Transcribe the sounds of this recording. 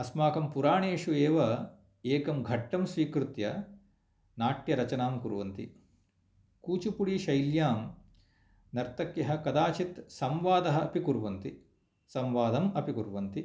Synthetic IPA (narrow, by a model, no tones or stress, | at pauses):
ɐsmaːkɐmpuɾaːɳeːʂueːʋɐ | eːkɐmɡʱɐʈːɐmsʋiːkɾut̪jɐ | naːʈjɐɾɐt͡ʃɐnaːmkuɾʋɐnt̪ḭ | kuːt͡ʃupuɽiːʃɐjljaːm | nɐɾt̪ɐkjɐɦɐkɐd̪aːt͡ʃit̪sɐmʋaːd̪ɐɦɐɐpikuɾʋɐnt̪i | sɐmʋaːd̪ɐmɐpikuɾʋɐnt̪i